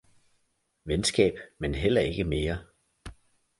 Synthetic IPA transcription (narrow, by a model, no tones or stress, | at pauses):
ʋensɡ̥ɛ̰ːb̥menɦel̰ɐe̝ɡ̥əme̝ːɐ